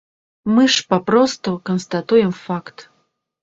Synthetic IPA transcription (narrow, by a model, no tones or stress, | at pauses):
mɨʂpapɾɔst̪ukɐnst̪at̪ujɛmfakt̪